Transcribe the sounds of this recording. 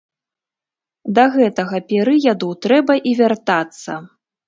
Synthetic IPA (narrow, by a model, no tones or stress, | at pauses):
d̪ɐɣɛt̪ɐɣɐpʲɛɾɨjad̪uwt̪ɾɛbɐʔivʲart̪at̪sːɐ̰